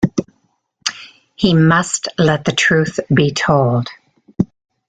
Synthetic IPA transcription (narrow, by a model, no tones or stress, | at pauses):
himʌstlɛt̪̚ðɨtʰɹ̥ʉˑθb̥itʰoʊlˠd̥